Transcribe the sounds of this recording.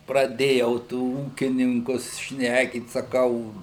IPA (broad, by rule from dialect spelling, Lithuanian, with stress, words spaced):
prɐˈdʲeːjɛʊ tuː ˈuːkʲɪnʲɪŋkʊs ˈʃʲnʲæːkʲiːt sɐˈkɐʊ